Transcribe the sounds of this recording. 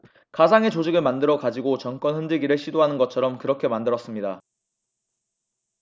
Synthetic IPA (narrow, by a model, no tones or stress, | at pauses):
kad͡ʑʰaŋe̞t͡ɕod͡ʑiɡɯɭmandɯɾʌkad͡ʑiɡot͡ɕʌnk͈wʌnɸɯnd͡ʑɯɡiɾɯɭɕʰidoɦanɯnɡʌt͡ɕʰʌɾʌmkɯɾʌkʰe̞mandɯɾʌs͈ɯmɲida